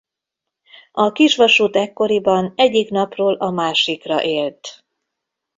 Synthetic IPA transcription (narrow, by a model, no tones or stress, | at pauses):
ɒkiʃʋɒʃuːt̪ɛkːo̞ɾibɒnɛɟːikn̪ɒproːlʔɒmaːʃikrɒ̰ʔeːlt̪